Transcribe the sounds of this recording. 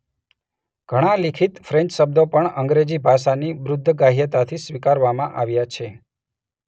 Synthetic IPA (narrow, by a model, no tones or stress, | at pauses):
ɡ̥ʱəɽ̃alikʰit̪fɾɛ̃ɲt͡ʃʃəb̚d̪opəɳəŋɡɾed͡ʒibʱaʃaniʋɾʊd̪ʱːɡaɦjət̪at̪ʰisʋikaɾʋamãʔaʋjat͡ʃʰe